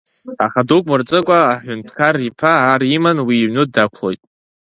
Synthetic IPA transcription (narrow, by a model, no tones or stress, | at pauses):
aχadukʷʼmɨrt͡sʼɨkʷʼaːħʷᶣʊntʰkʰaripʰaːrimanwiːʕnɨdakʷʰlo̞jtʼ